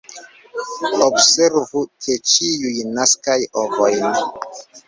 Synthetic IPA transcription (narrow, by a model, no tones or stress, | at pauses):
obseɾvukʰet͡ʃijujnaskajovojn